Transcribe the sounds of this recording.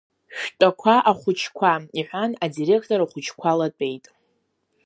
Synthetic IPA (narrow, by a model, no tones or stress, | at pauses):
ʃᶣtʼakʷʰaʔaχʷʊt͡ʃʰkʷʰaiħʷanadire̞kʰtʼoɾaχʷʊt͡ʃʰkʷʰalat͡pʷʼe̞jtʼ